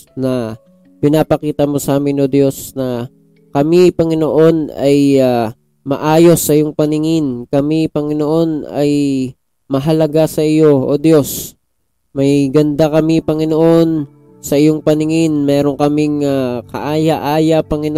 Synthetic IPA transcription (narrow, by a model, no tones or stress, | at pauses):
nɐ | pɪnapɐkiːt̪ɐmo̞saːmɪnod̪jo̞snɐ | kɐmipɐŋɪno̞ʔo̞nɐja | mɐ̰ʔaːjo̞sːɐʔɪjoŋpɐnɪŋɪnkɐmipɐŋɪno̞ʔo̞nɐj | mɐɦɐlɐɡasɐʔɪjo̞ʔod̪jo̞s | mɐjɡɐnd̪akɐmipɐŋɪnoʔo̞n | sɐʔɪjoŋpɐnɪŋɪnmɛːɾo̞ŋkɐmɪŋakɐ̰ʔaːjaʔaːjɐpɐŋɪn